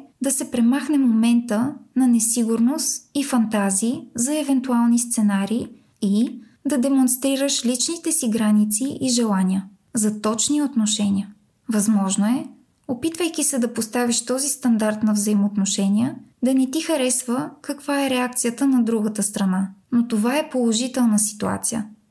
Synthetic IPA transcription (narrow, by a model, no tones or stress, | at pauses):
d̪ɐsɛpɾɛmaxnɛmomɛnt̪ənɐnɛsiɡuɾnost̪ifɐnt̪aziːzɐɛvɛnt̪ualˠnist̪sɛnaɾiː | i | d̪ɐd̪ɛmonst̪ɾiɾəʃlit͡ʃnit̪ɛsiɡɾanit̪siʔiʒɛlˠaniə | zɐt̪ɔt͡ʃniot̪noʃɛnʲiə | vɐzmɔʒnoɛ | opit̪vəjkisɛd̪ɐpost̪aviʃt̪ɔzist̪ɐnd̪aɾt̪nɐvzɐimoːt̪noʃɛniəd̪ɐnɛt̪ixɐɾɛsvəkɐkv̥aɛɾɛak̚t̪sijət̪ənɐd̪ɾuɡət̪əst̪ɾɐnanot̪ovaɛpolˠoʒit̪ɛlˠnəsi̥t̪ua̰t̪sijə̰